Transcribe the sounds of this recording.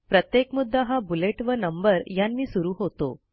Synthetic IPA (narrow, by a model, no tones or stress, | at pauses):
pɾət̪jekmud̪ʱːaɦabuleʈʋənəmbəɾjanːiːsuɾuːɦot̪o̰